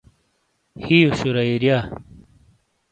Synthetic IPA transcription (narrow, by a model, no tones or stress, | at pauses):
hijoɕuɾɐiɾja